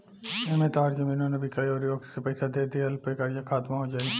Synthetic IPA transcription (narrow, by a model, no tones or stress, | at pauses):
emẽt̪aːɾd͡ʒɐmĩːnõnebʱikɐjɔɾjoːɡsepɐɪsad̪eːd̪iɐlpekɐɾjakʰaːt̪maɦod͡ʒaːɡ